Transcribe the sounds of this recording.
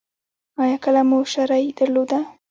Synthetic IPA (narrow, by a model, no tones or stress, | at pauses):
ɑjɑkəlamuʃaɾɑjd̪̥aɾlod̪a